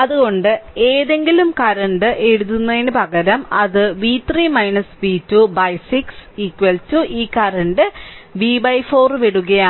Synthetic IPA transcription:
ɐðuɣo̞ɳɖɨe̞ːðe̞ŋɡilumkɐɾɐɳɖɨʔe̞ɽuðunːɐðinɨpɐɣɐɾɐmɐðɨʋiːt̪riːmɐjnɐsʋiːtːubɐjsiksikːʋɐltuʔiːkɐɾɐɳɖɨʋiːbɐjfo̞ːrʋiɽuɣɐjaː

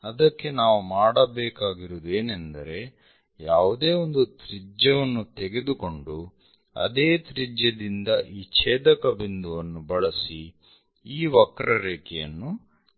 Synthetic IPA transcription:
ɐd̪ɐkːe̞naːʋumaːɽɐbɛːkaːɡiɾud̪e̞ːnend̪ɐɾe̞ | jaːʋud̪e̞ːo̞nd̪ut̪ɾid͡ʒɐʋɐnːut̪eɡe̞d̪uko̞ɳɖu | ɐ̰d̪eːt̪ɾid͡ʒjɐd̪ind̪ɐʔiːt͡ʃeːd̪ɐkɐbind̪uʋɐnːubɐɭɐsi | iːʋɐkɾɐɾeːkɛjɐ̰nːu

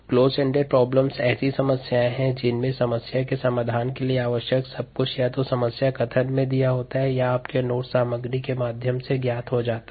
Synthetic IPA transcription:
kloːzɛ̃ɳɖeɾpɾɔːbləmzɛːsisɐməsjaːẽɦɛ̃d͡ʒɪnmẽsɐməsjakesɐmaːd̪ʱaːnkelieaːʋəʃjəksɐb̚kʊt͡ʃʰjat̪osɐməsjakɐt̪ʰənmẽd̪ijaɦoːt̪aɦɛjaaːpkenoːʈsaːməɡɾikemaːd̪ʱjəmseɡjaːt̪ɦod͡ʒaːt̪ḁ

